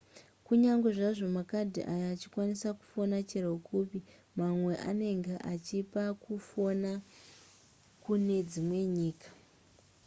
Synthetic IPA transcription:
kuɲaŋɡwe̞ʐaʐo̞makadʱiʔajaːt͡ʃikwanisaku̥fo̞nat͡ʃeraukupi | mamwe̞ʔa̰ne̞ŋɡeʔat͡ʃipakufona | kune̞d͡zimwe̞ɲiːkḁ

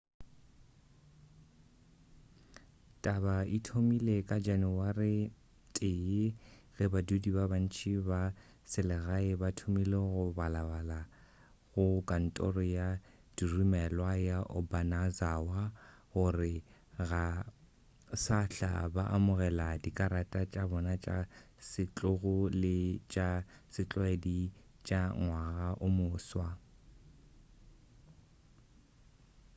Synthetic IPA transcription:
tʼabaitʰomilekʼad͡ʒanuwarɪ | tʼɪɪɣɛbadudibaban̩t͡ʃʰʼiba | sɪlɛɣaɪbatʰomileɣʊbalaβala | ɣʊkʼan̩tʼɔ̰rɔja | d̥irimɛlwajaʔʊbanazawa | ɣʊrɪɣa | saɬa̰baʔamʊɣɛladikʼaɾatʼat͡ʃʼabɔnat͡ʃʼa̰ | sɪt͡ɬʼʊɣʊlɪt͡ʃʼasɪt͡ɬʼwedi | t͡ʃʼaŋwaɣaʔʊmʊːswa

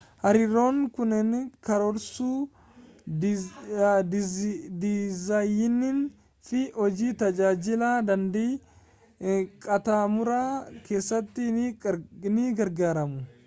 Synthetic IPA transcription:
hɐɾɪɾo̞ːŋkʊnɛnkɐɾɔɾsuː | d̪d̪ɪzɐjɪnːɪn | fɪhɔd͡ʒiːt̪ɐd͡ʒaːd͡ʒɪlaːd̪ɐnd̪eː | kʼɐt̪aːmʊɾaːke̞ːsːɐt̪ːɪ | nɪɡɐɾɡaːɾɐmʊ

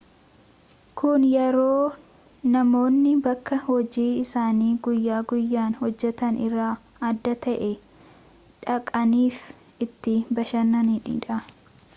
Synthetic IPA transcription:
kʰʊnjɛɾo̞ː | nɐmo̞ːnːɪbɐkːɐhɔd͡ʒiːɪsaːniːɡʊjːaːɡʊjːaːnhɔd͡ʒːɛt̪ɐnɪrːaː | ɐd̪ːɐt̪ɐʔɛ | ᶑɐkʼɐniːf | ɪt̪ːɪbɐʃɐnːɐniːᶑḭːᶑɐ

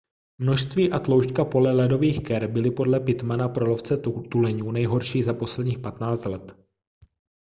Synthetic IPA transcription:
mno̞ʃst̪viːʔat̪lo̞wʃkapo̞lɛlɛdo̞viːxkɛɾbɪlɪpo̞dlɛpɪt̪manapɾo̞lo̞ft͡sɛt̪ulɛɲuːnɛjɦo̞ɾʃiːzapo̞slɛd̪ɲiːxpat̪naːt͡st̪lɛt̪

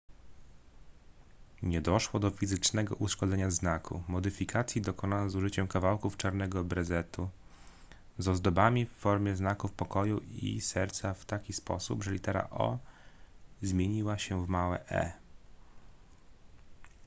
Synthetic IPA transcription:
ɲɛd̪ɔʂwɔd̪ɔfʲizɘt͡ʂnɛɡɔ̰ʔuʂkɔd̪zɛɲaznakʰṵmɔd̪ɘfʲikʰat̪sʲjid̪ɔkɔnanɛzuʐɘt͡ɕɛmkavawkuft͡ʂaɾnɛɡɔbɾɛzɛt̪u | zɔzd̪ɔbamʲifːɔɾmʲjɛznakufpɔkɔjuḭsɛɾt̪saft̪akʲispɔ̰subʐɛlʲit̪ɛɾa̰ʔɔ̰ | zmʲjeɲiwaɕɛvmawɛ̰ʔɛ̰

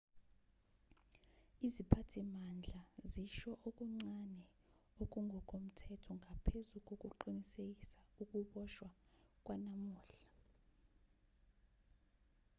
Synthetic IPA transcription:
izipʰatʰimand͡ɮʱaziʃɔʔok̬ʼuŋ͡ǀanɛ | ok̬ʼuŋʱɔkʼom̩tʰɛtʰɔŋʱapʰezuk̬ʼok̬ʼuǃinisek̬isauk̬ʼuɓɔʃwak̬ʼwanamuːɬḁ

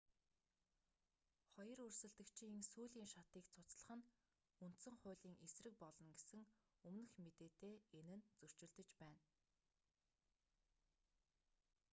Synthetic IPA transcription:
χɔjɞ̆rɵrsɘ̆ɮt̪ɘ̆kt͡ɕʰiiŋsuːɮiːŋʃat̪iːkt͡sʰʊt͡sɮə̆χə̆n | un̥t̪sə̆ŋχʊ̟ːɮiːŋesrɘ̆k̚pɔɮɞ̆nɡesɘ̆ŋ | ɵmnɘ̆xmet̪eːt̪eːenɘ̆nt͡sɵr̥t͡ɕɪ̆ɮt̪ɘ̆t͡ɕpæːn

